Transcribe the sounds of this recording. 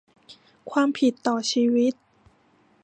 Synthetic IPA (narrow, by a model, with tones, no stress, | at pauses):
kʰwaː˧mpʰi˨˩t̪ːɔː˨˩t͡ɕʰiː˧wi˦˥t̪̚